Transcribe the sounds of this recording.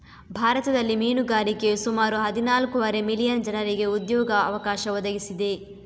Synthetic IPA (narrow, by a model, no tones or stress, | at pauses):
bʱaːɾɐt̪ɐd̪ɐlːimiːnuɡaːɾikesumaːɾuɦɐd̪inaːlkuʋɐɾe̞milijɐnd͡ʒɐnɐɾiɡe̞ud̪jɔːɡɐɐʋɐkaːʃɐʋɔd̪ɐɡisid̪e̞